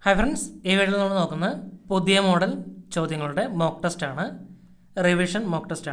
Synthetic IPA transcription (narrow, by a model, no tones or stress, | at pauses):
hɐjfɾɐnseːʋeɻlːnuːɨno̞ːkːunːɐpud̪jɐmo̞ːɽɐlt͡ɕo̞ːd̪jɐŋːɐɭuɽe̞mo̞ːkʈɐsʈaːɳɨ | reʋiʂɐnmoːkʈɐsʈaː